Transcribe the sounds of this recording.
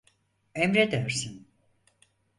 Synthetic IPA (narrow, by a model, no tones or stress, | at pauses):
emɾɛd̪øɾsin